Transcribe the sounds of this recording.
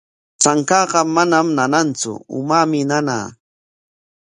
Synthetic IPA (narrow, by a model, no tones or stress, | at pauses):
t͡ʃaŋkɑːɢɑmanamnanant͡sʊ̰ʊ̰mamɪnana̰ː